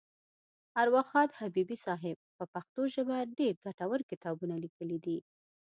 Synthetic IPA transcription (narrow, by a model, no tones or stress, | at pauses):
aɾwaxɑd̪habibisɑɦɪb̚pəpaxt̪oʒəbaɖeɾɡaʈawəɾkɪt̪ɑbunalikəlid̪i